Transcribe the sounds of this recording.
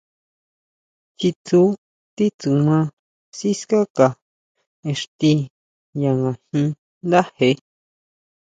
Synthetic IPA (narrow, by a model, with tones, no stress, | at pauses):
xi˧t͡su˦ | t̪i˦t͡su˨mã˧˦ | si˦ska˦ka˨ | e˧ʂt̪i˧ | ja˧ŋã˨hĩ˧ | nd̪a˦he˧˦